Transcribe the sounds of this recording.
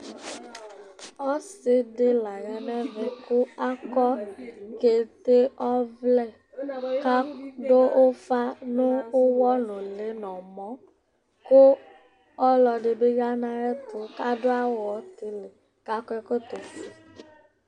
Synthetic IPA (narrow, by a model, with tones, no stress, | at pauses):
ɔ˦sɪ˦de˦la˨ɣɛ˨nɛ̃˦ve˨ko˦a˦kɔ˦ke˨t̪e˦ɔ˦vlɛ˦˨ | ka˦ɖo˦ʔo˦fa˦nʊ̃˦o˦wɔ˦nʊ̃˨le˨˦nɔ̃˨mɔ̃˦ | ko˦ | ɔ˦lɔ˨ɖe˨be˦ɡa˦nã˨ɾɛ˦t̪o˨ka˦ɖo˦a˦wɔ˨˦t̪e˨le˨ | ka˦kɔ˦ɛ˦ko˦t̪o˨si˨